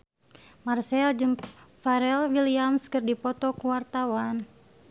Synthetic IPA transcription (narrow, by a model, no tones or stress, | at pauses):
marsɛld͡ʒɨmfaɾɛlwiliamskɨrdipɔt̪ɔkuwart̪awan